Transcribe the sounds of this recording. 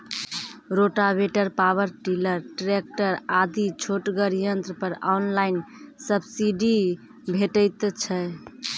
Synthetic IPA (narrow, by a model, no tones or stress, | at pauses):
ɾoʈabeʈəɾpawəɾʈiləɾʈɾek̚ʈəɾad̪it͡ʃʰoʈɡəɾijənt̪ɾpəɾanlaɪnsəbsiɖi | bʱeʈəɪt̪t͡ʃʰɛ